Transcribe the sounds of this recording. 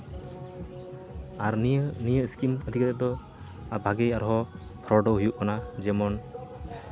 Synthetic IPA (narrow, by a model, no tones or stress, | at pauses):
aɾnijəskiməd̪ʱikat̪ɛd̪ɔ | abʱaɡɛjaɾɦɔpʰɾɔɖɔɦujuʔkanad͡ʒɛmɔn